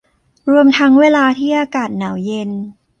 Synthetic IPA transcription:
ɾu˧əmt̪ʰa˦˥ŋweː˧laː˧t̪ʰiː˥˩ʔaː˧kaː˨˩t̪̚naː˩˦wje˧n

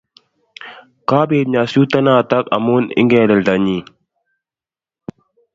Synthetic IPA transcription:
kaː˦beːtɲa˨suː˦t̪ɐ˦naː˨t̪ɐ˦kɐ̰˨mu˦nɪ̰˦ŋɡeː˨lɐ˨ld̪a˨ɲi˨

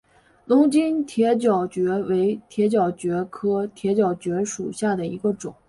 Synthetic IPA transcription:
lʊ˧˥ŋt͡ɕi˥nt̪ʰjɛ˧˥t͡ɕjɑ˨˩ʊt͡ɕɥɛ˧˥we˧˥ɪt̪ʰjɛ˧˥t͡ɕjɑ˨˩ʊt͡ɕɥɛ˧˥kʰɤ˥t̪ʰjɛ˧˥t͡ɕjɑ˨˩ʊt͡ɕɥɛ˧˥ʂu˨˩ɕja˥˩d̪ə˩ḭ˧˥ɡə˧ʈ͡ʂʊ̰˨˩˦ŋ

